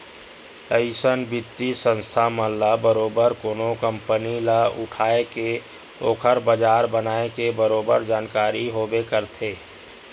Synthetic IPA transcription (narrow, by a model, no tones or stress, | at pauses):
əɪsənbɪt̪ːisə̃nst̪ʰaməlːabəɾoːbəɾkoːnokə̃mpənilaʊ̰ʈʰaːeke | oːkʰəɾbəd͡ʒaːɾbənaːekebəɾoːbəɾd͡ʒaːnkaːɾiɦoːbekəɾt̪ʰeː